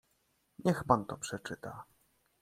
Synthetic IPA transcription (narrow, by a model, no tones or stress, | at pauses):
ɲɛxpant̪ɔpʂɛt͡ʂɘt̪a